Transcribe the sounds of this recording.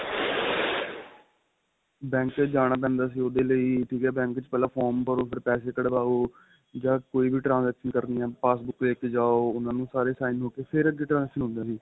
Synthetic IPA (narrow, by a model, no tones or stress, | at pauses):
bɛ̃ːŋkd͡ʒaːɽ̃aːpɛ̃ːnd̪aːs̬iːoːd̪eːləiːʈʰiːkɦɛːbɛ̃ːŋkt͡ʃpɛːlãːpʰɔːɾmkəɾoːpʰɪɾpɛːseːkəɽbaːoː | d͡ʒãːkoːiːbiːʈɾãːnzɛːkʃənkəɾniːãːpaːsbʊkʋeːkeːd͡ʒaːoːʊnãːnũːsaːɾeːsaːɪnɦoːkeːpʰɪɾəd̪eːʈɾãːzɛːkʃənɦʊ̃nd̪ãːsiː